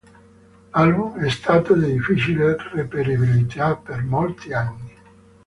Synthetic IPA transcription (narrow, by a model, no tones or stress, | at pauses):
albumɛst̪aːt̪od̪id̪ifit͡ʃilerepeɾibilit̪ʰapːermolt̪ianːi